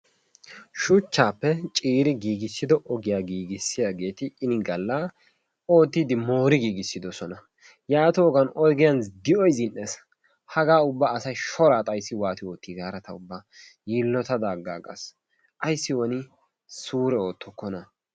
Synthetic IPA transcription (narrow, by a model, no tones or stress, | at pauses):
ʃʊt͡ʃːaːpːɛt͡ʃʼiːɾɪɡiːɡɪsːɪd̪ɔʔɔɡɪjaːɡiːɡɪsːɪjaːɡe̞ːt̪ɪːnɪɡɐlːa | o̞ːt̪ːid̪ɪmo̞ːɾɪɡiːɡɪsːɪd̪ɔsɔnɐ | jaːt̪ɔːɡɐnɔjɡɪjɐnd̪ɪʔɔjzɪnʔːes | hɐɡaːʊbːaːsɐjʃɔɾaːt̪ʼɐjsːɪwaːt̪ɪoːt̪ːiɡaːɾɐt̪ɐʊbːaː | jiːlːɔt̪ɐd̪aːɡːaːɡɐ̰s | ʔɐjsːɪwɔnɪ | suːɾɛo̞ːt̪ːɔkːɔnɐ